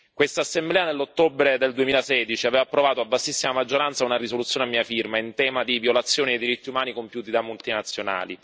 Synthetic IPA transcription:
kwest̪aːsːemblɛːanelːot̪ːobɾed̪eld̪uemiːlasɛːd̪it͡ʃiavɛːvapːɾovaːt̪oabːasːisːimamad͡ʒːoɾant̪saunaɾisolut̪sːjoːneamːiːafirmaint̪ɛːmad̪iviolat̪sːjoːniejd̪iɾit̪ːiumaːnikompjuːt̪id̪amult̪inat̪sːjona̰ːlḭ

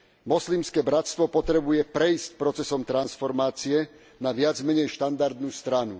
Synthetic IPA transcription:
mɔslimskɛbɾat̪st̪ʋɔpɔt̪ɾɛbujɛpɾɛjscpɾɔt͡sɛsɔmt̪ɾansfɔɾmaːt͡siɛ | naʋɪad͡zmɛɲɛjʃt̪and̪aɾd̪nuːst̪ɾanu

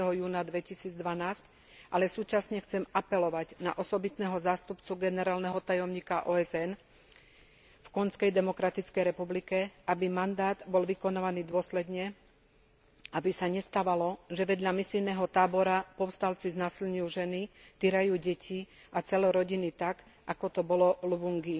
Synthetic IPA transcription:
t̪ɛɦɔjuːnad̪ʋɛcisiːd͡zd̪ʋanaːsc | ʔalɛsuːt͡ʃasɲɛxt͡sɛmapɛlɔʋaɟna̰ʔɔsɔbit̪nɛːɦɔzaːst̪upt͡suɡɛnɛɾaːlnɛɦɔt̪ajɔmɲiːkaʔɔːɛzɛn | fkɔnskɛjd̪ɛmɔkɾat̪it͡skɛjɾɛpublikɛabimand̪aːd̪bɔlʋikɔnaːʋaniːd̪ʊɔslɛd̪ɲɛ | abisaɲɛst̪aːʋalɔʒɛʋɛd̪ʎamisilnɛɦɔt̪aːbɔɾapɔʊst̪alt͡siznaːsilɲujuʒɛnit̪iɾajuːɟɛcʰi | ʔat͡sɛlɔɾɔɟinit̪aɡ | ʔakɔt̪ɔbɔlɔlubuŋɡi

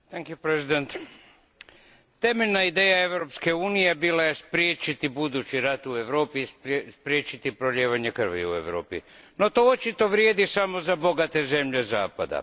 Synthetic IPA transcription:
t̪ɛŋkjupɾezid̪ent̪ | t̪e̞meʎʲnaid̪e̞ːjae̞ʋɾo̞pske̞uːnije̞bilajespɾjeːt͡ʃit̪ibud̪ut͡ɕiɾat̪ue̞ʋɾo̞ːpiːsspɾjeːt͡ʃit̪ipɾoʎeːʋaɲekr̩ʋḭṵeʋɾo̞ːpḭ | no̞t̪oot͡ʃit̪o̞ʋɾje̞ːd̪isamo̞zabo̞ɡat̪e̞ze̞mʎe̞zaːpa̰d̪a̰

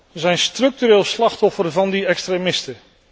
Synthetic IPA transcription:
zɛjnstrɵk̚tyɾeːlˠslɑχtɔfərvɑndiɛkstremɪstə

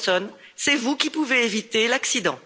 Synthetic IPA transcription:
sɔn | sɛvukʲipuveevit̪elaksid̪ɑ̃

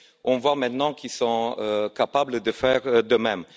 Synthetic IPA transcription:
ʔɔ̃vwamɛ̃t̪nɑ̃kilsɔ̃økapabləd̪əfɛʁd̪əmɛm

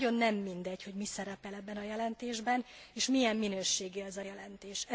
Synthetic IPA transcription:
o̞nːɛmːind̪ɛɟho̞ɟmisɛɾɛpɛlɛbːɛnɒjɛlɛnt̪eːʒbɛneːʃmijɛmːinøːʃeːɡiɛzɒjɛlɛnt̪eːʃɛ

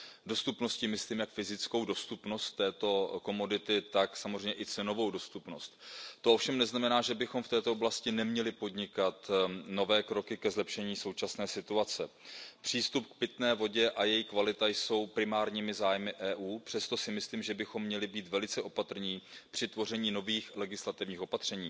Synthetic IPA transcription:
do̞st̪upno̞scɪmɪsliːmjakfɪzɪt͡sko̞wdo̞st̪upno̞st̪ːɛːt̪o̞ko̞mo̞dɪt̪ɪt̪aksamozr̝ɛjɲɛʔɪt͡sɛno̞vo̞wdo̞st̪upno̞st̪t̪oʔofʃɛmnɛznamɛnaːʒɛbɪxo̞mft̪ɛːt̪ooblascɪnɛmɲɛlɪpo̞dɲɪkat̪no̞vɛːkɾo̞kɪkɛzlɛpʃɛɲiːso̞wt͡ʃasnɛːsɪt̪uat͡sɛpr̝̥iːst̪up̚k̚pɪt̪nɛːvo̞ɟɛʔajɛjikvalɪt̪ajso̞wpɾɪmaːɾɲiːmɪzaːjmɪʔɛːʔuːpr̥ɛst̪o̞sɪmɪsliːmʒɛbɪxo̞mːɲɛlɪbiːt̪vɛlɪt͡sɛʔo̞pat̪r̩ɲiːpr̝̥ɪt̪vo̞r̝ɛɲiːno̞viːxlɛɡɪslat̪ɪvɲiːxo̞pat̪r̝̥ɛɲiː

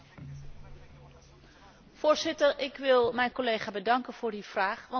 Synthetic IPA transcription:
v̥ʊːɹzɪtərɪkʋɪlˠmɛjnkolejχaːbədɑŋkənv̥ʊːɹdiv̥raːχʋɑ

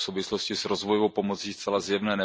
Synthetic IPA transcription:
sowvɪsloscɪsɾozvojoowpomot͡siːst̪t͡sɛlazjɛvnɛːnɛ

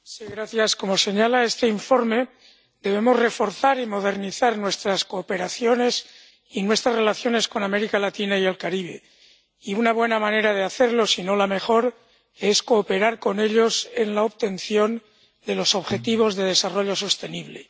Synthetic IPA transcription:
siɣɾaθjasko̞mo̞se̞ɲalae̞st̪e̞iɱfo̞ɾme̞ | d̪e̞βe̞mozre̞fo̞ɾθaɾimo̞ð̞e̞ɾniθaɾnwe̞st̪ɾasko̞ːpe̞ɾaθjo̞ne̞s | inwe̞st̪ɾazre̞laθjo̞ne̞sko̞name̞ɾikalat̪inaie̞lkaɾiβ̞e̞̰ | iunaβ̞we̞namãne̞ɾað̞eaθe̞ɾlo̞sino̞lame̞xo̞ɾ | e̞sko̞ːpe̞ɾaɾko̞ne̞ʎo̞se̞nlaoβt̪e̞nθjo̞n | d̪e̞loso̞βxe̞t̪iβ̞o̞zðe̞ð̞e̞saro̞ʎo̞so̞st̪e̞niβle̞

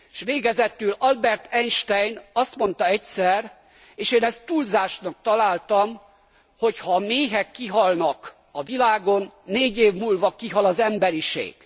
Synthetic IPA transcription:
ʃʋeːɡɛzɛt̪ylɒlbɛrt̪ʰɛnʃt̪ɛjnɒst̪mo̞n̪t̪ɒɛcsɛr | eːʃeːnɛst̪ːulzaːʃnɒk̚t̪ɒlaːlt̪ɒm | ho̞chɒmeːɦɛkːiɦɒlnɒk | ɒvilaːɡo̞nːeːɟeːvmuːlvɒkiɦɒlɒzɛmbɛɾiʃḛːɡ̥

